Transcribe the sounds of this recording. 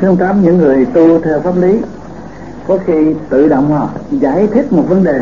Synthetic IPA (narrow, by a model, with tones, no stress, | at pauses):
t̪ʰɨ˨˦əŋt̪aː˨˦mɲɨ̰˧˥ŋːɨ˨˩əjt̪u˧t̪ʰɛ˧wfaː˦˥p̚li˨˦ | kɔ˨˦xi˧t̪ɨ̰˧˨ɗə̰˧˨wŋ͡mha˧˨˩za̰ː˧˩jt̪ʰi˦˥t̚mo˨˩t̚və˨˦nɗe˨˩